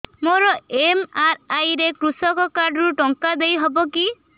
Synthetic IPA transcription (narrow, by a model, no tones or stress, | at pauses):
moɾɔemaɾajɾekɾusɔkɔkaɾɖɔɾuʈɔŋkad̪ejɦɔbɔki